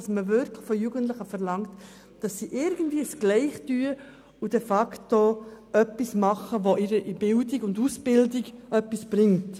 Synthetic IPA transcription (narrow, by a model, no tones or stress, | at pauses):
sməvʏɾkʰləχfojuːɡənt̬lɪχəfɛɾlɑŋt | d̥ɑsːiʔɪɾɡən̩dviːəsɡ̥lɛɪχtyə | ud̥ɛfɑkto | œpːismɑχəʋoʔɪɾəʔibɪldiɡʊndusb̥ɪldiɡʔœpːisb̥ɾɪŋt